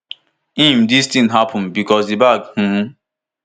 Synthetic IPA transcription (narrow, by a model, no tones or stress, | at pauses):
ĩmdistĩŋɦapʰə̃nbikɔzibakhũ